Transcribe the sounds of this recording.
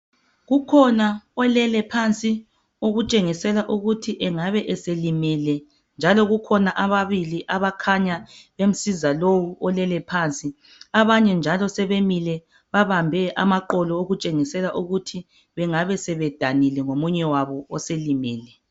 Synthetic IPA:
ɣukʰɔnaɔlɛlɛpʰant͡sʼi | oɣut͡ʃʼeŋisɛlaʔuɣutʰiʔɛŋaβɛʔɛselimilɛ | nd͡ʒʱalɔɣukʰɔnaʔaβaβiliʔaβakʰaɲaβem̩sizalowuɔlɛlɛpʰant͡sʼi | aβaɲɛnd͡ʒʱalɔsɛβemilɛ | βaβambʱɛʔamaǃɔlɔoɣut͡ʃʼeŋisɛlaʔuɣutʰi | βɛŋaβɛsɛβɛd̥ʱanilɛŋomuɲɛwaβɔɔselimiːlɛ

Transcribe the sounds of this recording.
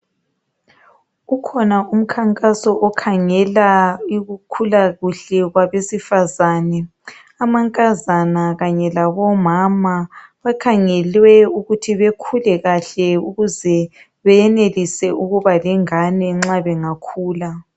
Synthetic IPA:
ukʰɔnaʔum̩kʰaŋkʼasɔʔɔkʰaŋɛlaiɣukʰulaɣuɬɛɣwaβesifazaːnɛ | amaŋkʼazanaɣaɲɛlaβɔmamaβakʰaŋɛlwɛuɣutʰiβekʰulɛɣaɬɛuɣuzɛ | βɛjɛnelisɛʔuɣuβalɛŋanɛŋ͡ǁaβɛŋakʰuːla

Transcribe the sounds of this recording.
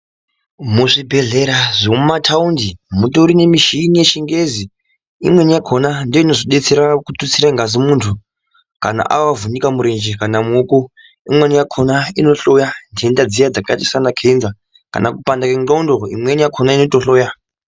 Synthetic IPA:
muʐibʱe̞ɮe̞ɾaʐomumatʰaundimutoɾine̞miʃinije̞ʃiŋɡe̞zi | ḭmwe̞nijakʰonandoino̞zoɗe̞t͡se̞ɾakutut͡siɾaŋɡazimuntʰu | kana̰ʔawavunikamuɾe̞nd͡ʒekanamuuko | imwenijakʰo̞naino̞ɬo̞jandendad͡zijad͡zakatisanakʰeinza | ka̰nakupandakeŋɡoundo̞ḭmwe̞njakʰonaino̞toɬo̞ːja

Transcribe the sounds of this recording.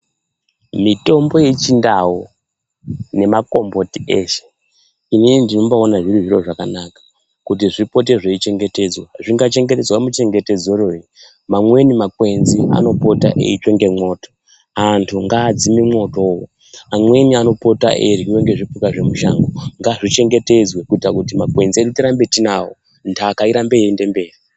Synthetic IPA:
mito̞mbo̞jet͡ʃindawo | ne̞mako̞mbo̞tieʃe̥ | ininindino̞mbaonaʐiɾiʐiro̞ʐakanakḁ | kutiʐipo̞t̬e̞ʐeit͡ʃe̞ŋɡe̞te̞d͡zwaʐiŋɡat͡ʃe̞ŋɡe̞ted͡zwaomut͡ʃe̞ŋɡe̞te̞d͡zoroi | mamwe̞nimakwe̞nzia̰no̞po̞ta̰ʔḛit͡ʃeŋɡe̞mo̞ːto̥ | antʰuŋɡaːd͡zimimo̞to̞ːwo | amwe̞niano̞po̞ta̰ʔeriiwe̞ŋɡe̞ʐipukaʐe̞muʃa̰ŋɡoŋɡaʐit͡ʃe̞ŋɡe̞te̞d͡zwekuitrakutimakwe̞nzierutiɾambetinawo̰ | ntʰaːkaiɾambeende̞mbe̞ːri

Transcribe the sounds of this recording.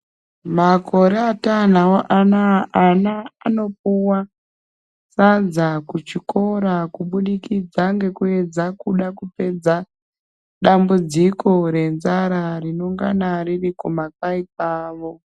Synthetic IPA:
makʰo̞ɾeatan̤awoʔanaːnaːno̞p̚uwa | sad͡zakut͡ʃikʰo̞ɾakuɓuɗikid͡zaŋɡe̞kue̞d͡zakuɗakupe̞d͡za | ɗambud͡ziko̞ɾe̞nzaɾarino̞ŋɡanaririkomakaip̚aːʋo̞

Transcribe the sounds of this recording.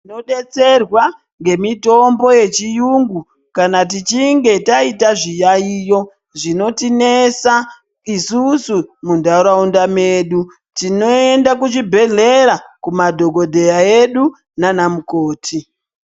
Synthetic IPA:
ino̞ɗe̞t͡se̞rwa | ŋɡe̞mito̞mbo̞je̞t͡ʃijuŋɡu | kanat̬it͡ʃiŋɡe̞taitaʐijaiːjo̞ | ʐino̞tine̞sa | isusumundauɾaundame̞ːɗu | tino̞e̞ndak̬ut͡ʃibʱe̞ɮe̞ɾakumadʱo̞ɡo̞dʱe̞jaeɗu | nanamuko̞ːtʰi

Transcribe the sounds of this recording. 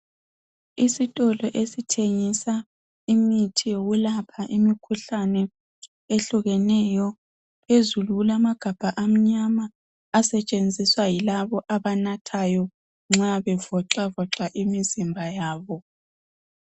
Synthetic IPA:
isitʼɔlɔʔesitʰeŋisa | imitʰijoɣulapʰaʔimikʰuɬanɛ | eɬuɣɛnɛjɔ | pezuluulamaɡ̥ʱab̥ʱaʔam̩ɲamaː | sɛt͡ʃʼend͡zʱiswajilaβɔʔaβanatʰajɔ | ŋ͡ǁaβɛvɔǁavɔǁaʔimizimbʱajaːβɔ

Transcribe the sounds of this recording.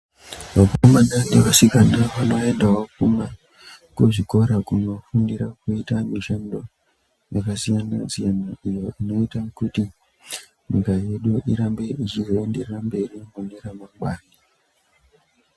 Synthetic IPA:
ʋakomanandekasikanaʋanoendawokuma | koʐikoɾakunofundiɾakuitamiʃando | jakasijanazianaijoinoitakuti | miɡajeɗoʔiɾambeʔit͡ʃizoendeɾɾambeɾimoniɾamaɡ͡bani

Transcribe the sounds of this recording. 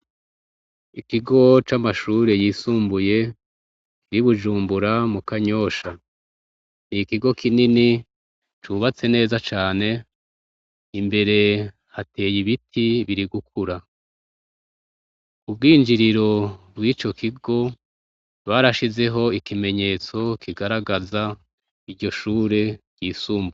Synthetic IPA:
ikiɡo̞t͡ʃamaʃuːɾe̞jiːsuːmbuje̞ | kiɾiβuʒuːmbuɾamukaɲo̞ːʃa | nikiɡo̞kʰinini | t͡ʃuβat͡se̞ne̞ːzat͡ʃaːne̞ | imbe̞ɾe̞ | hatʰe̞ːjiβitʰiβiɾiɡuk̚ʰuɾa | ubɡiːnd͡ʒiɾiɾo̞bwiːt͡ʃo̞kiɡo̞ | βaɾaʃize̞ɦo̞ikime̞ɲe̞ːt͡so̞kʰiɡaɾaɡaza | iɾɟo̞ʃuːɾe̞ | ɟ̥iːsuːmbu

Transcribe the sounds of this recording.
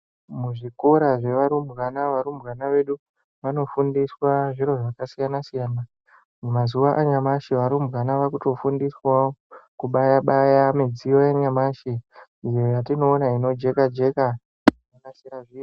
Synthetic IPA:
muʐiko̞ɾaʐe̞ʋaɾumɣanaʋaɾumbɣanaʋe̞ɗu | ʋano̞fundiswaʐiɾo̞ʐakasijanasijana | mumazuʋaʔaɲamaʃiʋaɾumbɣanaʋakuto̞fundiswaokuɓajaɓajamid͡zijo̞jeɲamaʃiijo̞jatino̞ːnaino̞d͡ʒe̞kad͡ʒe̞ka | jakasiɾaʐiːro

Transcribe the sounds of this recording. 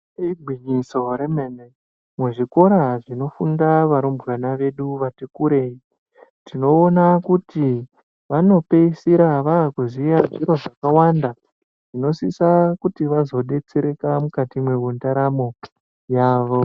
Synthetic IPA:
iɡʱwiɲiso̞ɾemene | meʐiko̞ɾaʐino̞fundaʋaɾumburanaʋe̞ɗuʋatekuɾe̞i | tino̞ːnakuti | ʋano̞pe̞isiɾaʋaːkuzijaʐiɾo̞ʐakawanda | ʐ̥ino̞sisakutiʋazo̞ɗe̞t͡seɾe̞kamukatimwe̞undaɾamo | jaːʋo̞

